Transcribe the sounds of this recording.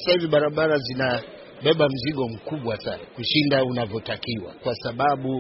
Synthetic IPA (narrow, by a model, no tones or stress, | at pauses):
asahiviɓaɾaɓaɾazina | ɓɛɓam̩ziɠɔm̩kuɓwasa̰nakuʃindaunavjɔtakiwa̰kwasaɓaɓu